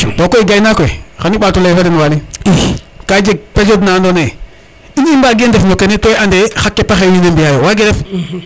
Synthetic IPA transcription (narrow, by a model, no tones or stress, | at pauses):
tɔkɔiɡajnakɔixaniɓatulajfaɾenwaliikad͡ʒeɡ̚pad͡ʒodnandɔne | inimbaːɡendefnokenetɔjandexakːepaxewinembijajowaɡeɾɛf